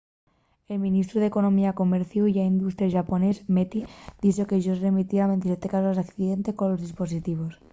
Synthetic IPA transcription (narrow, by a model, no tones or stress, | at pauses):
e̞lmĩnist̪ɾuð̞e̞ko̞nõ̞miako̞meɾθjujaind̪ust̪ɾjaʒapone̞zmet̪id̪̥isokeʒosremit̪iaβe̞nt̪isjet̪ekasozðakθiðe̞nt̪e̞skonlːo̞zðispo̞s̬it̪iβ̞os